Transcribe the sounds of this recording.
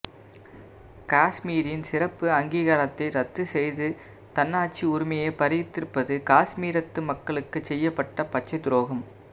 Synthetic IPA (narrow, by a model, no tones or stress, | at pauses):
kaːsmiːɾɪnsɪɾɐpːɯɐŋɡiːɣɐɾɐt̪ːɐɪɾɐt̪ːɯsɛjðɯ | t̪ɐnːaːt͡ʃːiʊɾʊmɐjepɐɾɪɪt̪ːɪɾɯpːɐðɯkaːsmiːɾɐt̪ːɯmɐkːɐɭɯkːɯt͡ʃɛjːɐpːɐʈːɐpɐt͡ʃːɐɪd̪ʊɾoːɣɐm